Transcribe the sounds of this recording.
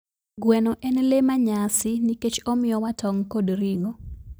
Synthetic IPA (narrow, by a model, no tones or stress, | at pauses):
ɡwɛnɔʔɛnlemaɲasɪniket͡ʃɔmɪjɔwatʰɔŋkodɾiŋo